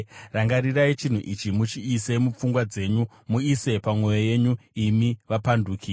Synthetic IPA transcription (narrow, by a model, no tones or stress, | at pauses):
raŋɡaɾirait͡ʃin̤ṵʔit͡ʃimut͡ʃiːse̞mup͡fuŋɡwad͡ze̞ɲu | muise̞pamwo̞joje̞ɲuimiʋapanduːkʰi